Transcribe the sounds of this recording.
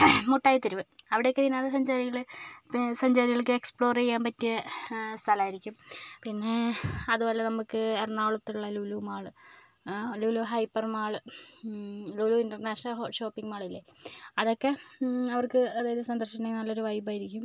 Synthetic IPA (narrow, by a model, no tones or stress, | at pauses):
muʈːaːjt̪ːiɾuʋɨɐʋiɽejokːeðinaːðesɐɲd͡ʑaːɾiɣɐɭe | sɐɲd͡ʑaːɾiɣɐɭkɨekspɭo̞ːrejːaːmpɐtːijɐst̪ʰɐlaːjiɾikʲːumpinːe̞ɐðubo̞ːlenɐmukːɨernːaːɭɐt̪ːiuɭːɐluːlumaːɭɨ | luːluɦɐjpːɐrmaːɭɨ | luːluːinɖɐrneːʂnɐlɕo̞ːpːiŋmaːɭilːeɐðo̞kːe̞ɐʋɐrkɨɐðaːjɐðɨsɐnd̪ɐrɕinenɐlːo̞ɾuʋɐjbaːjiɾikʲːum